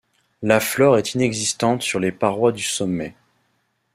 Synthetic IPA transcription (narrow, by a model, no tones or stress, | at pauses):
laflɔʁɛt̪ʰinɛɡzist̪ɑ̃t̪syʁlepaʁwad̪ysɔmːɛ